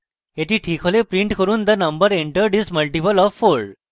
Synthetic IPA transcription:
ɦet̪ʰiːʈʰiːkʰolepɾiɳʈkəɾuːnd̪anəmbəɾeɳʈəɾɖisməlʈipəlɔfːoɭɖ

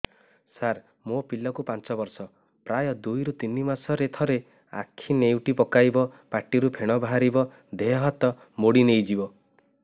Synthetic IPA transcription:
saɾ | mopilɔkupant͡ʃɔbɔɾsɔ | pɾajɔd̪ujɾut̪inimasɔɾet̪ʰɔɾe | a̰kʰinewʈipɔkajbɔpaʈiɾupʰeɽ̃ɔbaɦaɾibɔ | d̪eɔɦɔt̪ɔ | moɽinejd͡ʒibɔ

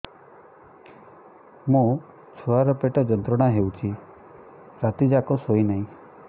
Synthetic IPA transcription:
mũ | t͡ʃʰuaɾɔpeʈɔd͡ʒɔnt̪ɾɔɽ̃aɦewt͡ʃʰi | ɾat̪id͡ʒakɔsojnaɦĩ

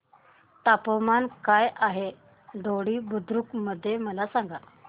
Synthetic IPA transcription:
t̪apəmankajʔaɦe | ɖoɽiːbud̪ʱɾukməd̪ʱːjeməlasãŋɡa

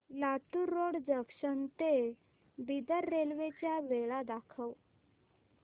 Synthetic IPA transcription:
lat̪uɾːoɽd͡zəkɕənt̪e | bid̪əɾːelʋet͡ɕjaʋeɭad̪akʰəw

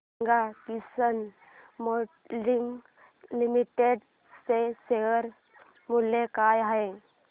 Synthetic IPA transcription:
ɡat̪isən | mo | liŋ | limiʈeɖ | seseəɾ | mulekajaɦe

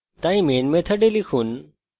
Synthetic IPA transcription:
t̪aːĩmeːnmẽt̪ʰɐɖelikʰuːn̆

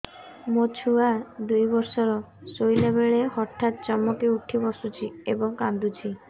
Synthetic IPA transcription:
mot͡ʃʰuad̪ujbɔɾsɔɾɔ | sojlebeɭehɔʈʰːat̪̚t͡ʃɔmːɔkiuʈʰibɔsut͡ʃʰiebɔŋkand̪ut͡ʃʰi

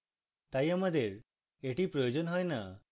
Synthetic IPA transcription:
t̪ajaməd̪ʱjeɾ | eʈiːpɾɔjod͡ʑənɦɔjna

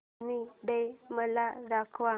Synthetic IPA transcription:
niɖəjməlaɾakʰʋa

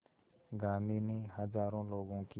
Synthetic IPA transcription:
ɡaːniːniːɦəd͡ʒaːɾõːloːɡõːki

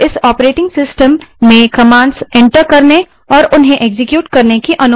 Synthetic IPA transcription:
ɪsɔːpɾeːʈɪ̃ŋɡsɪsʈəmːẽkɐmãːɳɖsɛ̃ɳʈəɾkɐɾne | ɔːɾʊnɦẽʔeɡzɪkjuːʈkɐɾnekiʔɐnʊ

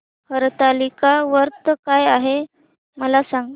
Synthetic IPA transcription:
həɾt̪alikaʋəɾt̪kajaɦe | məlasaŋɡ

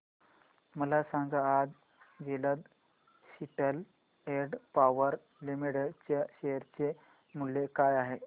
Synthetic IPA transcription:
məlasaŋɡaːd͡z | d͡ʑeləd̪ | ɕiʈəl | eɾɖpaʋəɾ | limiɽət͡ɕaɕeɦəɾt͡se | mulːekajaɦe

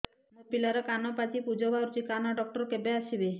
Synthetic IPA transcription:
nɔpilaɾɔkanɔpat͡ʃipud͡ʒɔbaɾut͡ʃikanɔɖɔk̚ʈɔɾkebeaʃibe

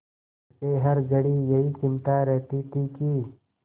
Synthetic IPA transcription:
keɦɐɾɡəɽijɐɦikɪmt̪aɾɛɦt̪it̪ʰikiː

